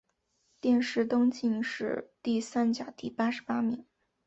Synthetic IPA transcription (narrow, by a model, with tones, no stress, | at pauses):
t̪jɛ˥˧nʂɻ̩˥˩t̪ʊ˥ŋt͡ɕi˥˧ŋʂɻ̩˥˧t̪i˥˩sa˥nt͡ɕja˨˩t̪i˥˩pa˥ʂɻ̩˧˥pa˥mi˨˩˦ŋ